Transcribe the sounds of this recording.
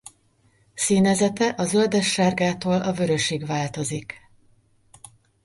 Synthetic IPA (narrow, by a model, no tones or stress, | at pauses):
siːnɛzɛt̪ɛʔɒzø̞ld̪ɛʃːaːrɡaːt̪oːlʔɒvø̞ɾø̞ʃiːɡʋaːlt̪o̞zik